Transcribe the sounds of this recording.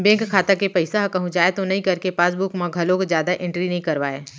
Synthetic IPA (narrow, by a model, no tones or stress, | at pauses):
bẽːŋkkʰːaːt̪akepɐɪsaɦkɐɦũd͡ʒaːet̪onɐɦĩkɐɾkepaːsbʊkmãɡʱɐlõkzjaːd̪aʔɪ̃ɳʈɾinɐɦĩkɐɾʋaːeː